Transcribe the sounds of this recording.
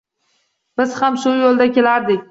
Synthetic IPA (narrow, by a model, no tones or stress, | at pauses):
b̥ɪz̥hamʃʊjolˠd̪akʲʰe̞laɾd̪ɪk̚ʲ